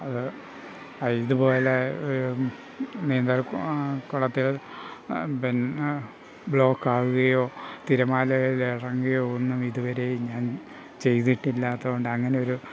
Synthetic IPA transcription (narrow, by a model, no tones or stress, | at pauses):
ɐðɨ | ɐjðubo̞ːleoɾu | neːnd̪ɐlkuɭɐt̪ːil | ben | bɭo̞ːkːaːɣuɣɐjo̞ːt̪iɾɐmaːlɐjiliɽɐŋːɐjo̞enːumiðuʋɐɾe̞jɲaːn | t͡ɕe̞jt̪iʈːilːaːt̪ːɐɣo̞ɳɖɨɐŋːɐneo̞ɾu